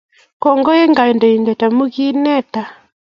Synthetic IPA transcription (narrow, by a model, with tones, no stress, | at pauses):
kɔ˨ŋɡɔ˦jɛ˦ŋɡa˨ɛ˨ndɔ˨i˨ndɛ˨ta˨mu˦ɣi˦nɛ˦ta˨